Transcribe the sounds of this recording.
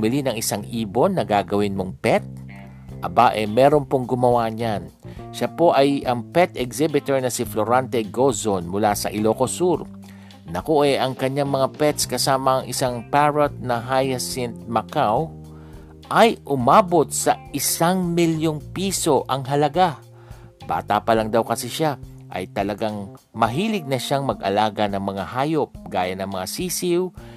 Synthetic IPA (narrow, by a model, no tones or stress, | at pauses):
mɪlinɐŋɪsaŋʔiːbonːɐɡaɡɐwɪnmoŋpɛt̪̚ | ʔɐbaʔɛmɛːɾo̞npoŋɡʊmɐwaɲan | ʃapo̞ʔɐjʔɐŋpɛt̪ɛɡsɛbɪt̪oɹnɐsɪfloɾant̪ɛɡozonmʊlasɐ̰ʔɪlokosuɾ | nɐkoʔɛʔɐŋkɐɲːaŋmɐŋapɛt̪skɐsaːmɐɐŋʔɪsaŋpaɹot̪̚nɐɦajɐsɛnt̪̚mɐkaw | ʔɐjʔʊmaːbo̞t̪̚sɐʔɪsaŋmɪljoŋpiːso̞ʔɐŋɦɐlɐɡa | b̥a̰ːt̪apɐlɐŋd̪awkɐsɛʃa | ʔɐ̰jt̪ɐlɐɡaŋ | mɐɦiːlɪɡ̚nɐʃaŋmɐɡʔɐ̰laːɡɐnɐŋmɐŋahaːjop̚ɡ̥aːjɐnɐŋmɐŋasiːsɪw